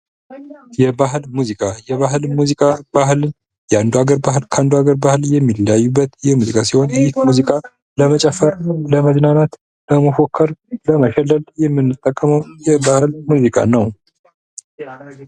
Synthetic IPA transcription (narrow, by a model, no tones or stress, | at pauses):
jɛbaɦlmuzikʼajɛβaɦɨlmuzikʼabaɦlɨn | jɛand̪uaɡəɾbahɨlkʰand̪uaɡəɾbahɨljɛmːiljajːubːət̪jɛmuzikʼasiho̞njɛit̪muzikʼa | ləmət͡ʃʼɛfəɾləməznanat̪ | ləməfokʰːəɾləməʃɛlːəljɛmːɨnːɨt̪ʼːəkʼːəməwjɛbahɨlmuzikʼa̰nəw